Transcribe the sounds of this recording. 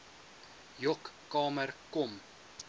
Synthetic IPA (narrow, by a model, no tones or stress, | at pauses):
jɔkːɑːmərkɔm